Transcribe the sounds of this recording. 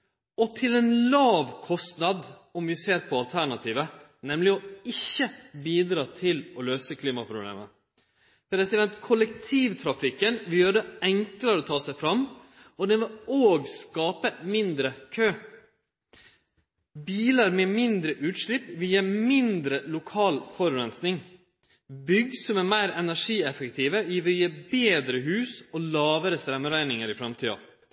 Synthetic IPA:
ɔt̪ʰɪlɛːnlɑːʋkʰɔst̪nɑd̪ɔmʋɪseːɾpʰɔɑlt̪ʰæɳɑt̪ʰiːʋə | nɛmlɪɔɪçːəbiːd̪ɾɑːt̪ʰɪlɔløːsəkʰliːmɑpʰɾʊblḛːmə | pɾd̪ɛsɪd̪ɛnt̪kʰʊlək̚t̪ʰiːʋt̪ʰɾɑfɪkːənʋɪljøːɾəɛŋkləɾɔt̪ʰɑːsæɪfɾɑmː | ɔd̪ɛnʋɪloːɡskɑːpəmɪnd̪ɾəkʰøː | biːləɾmeːmɪnd̪ɾəʔʉːt̪ʂɭɪpːʋɪljiːmɪnd̪ɾəlʊkʰɑːlfɔɾʉɾɛnsnɪŋ | bʏɡsɔmæːɾmæɪɾɛnæʂiːɛfɛkt̪ʰiːʋəɪʋɪjːbeːd̪ɾəɦʉːsɔːlɑːʋəɾəst̪ɾɛmːəɾæɪnɪŋəɾɪfɾɑmt̪ʰiːɑ̰

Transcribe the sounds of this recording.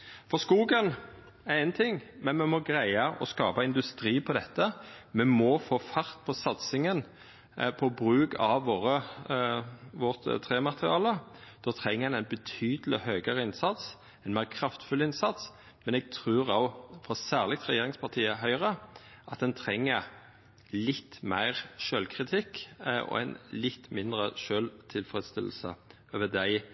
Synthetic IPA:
fɔskuːɡən | æʁɛnt̪ʰɪŋːmɛnmɛmɔɡɾæɪɑʔɔ̰skɑːpɑɪnd̪ʉst̪ɾiːpʰɔd̪ɛt̪ːəmɛmɔfoːfɑɾt̪̚pʰɔsɑt̪sɪŋən | pʰɔbɾʉːɡɑʋʋoːɾə | ʋɔʁt̪t̪ʰɾeːmɑt̪əʁɪɑːləd̪̥oːt̪ʰɾɛŋːəɛnæɪnbət̪ʰyːd̪əlɪ̰høːɡəɾəɪnsɑt̪s | ɛɪnmæɪːʁkʰɾɑft̪fʉlɪnsɑt̪s | mɛnɛɡ̚t̪ʰʁʉːɾoʊfɾɔsæːʁlɪɡ̚t̪ʁɛjeːɾɪŋspʰɑt̪ʰiːəɦœʏəʁə | ʔɑt̪̚d̪ɛnt̪ʰɾɛŋːə | lɪt̪ːmæ̰ɪʁʃøːlkʰɾɪt̪ʰɪkːʔɔ̰ɛ̰ɪnlɪt̪ːmɪnd̪ʁəʃøːlt̪ʰɪlfɾɛd̪st̪ɪl̩sə̰ | øʋəd̪æɪ

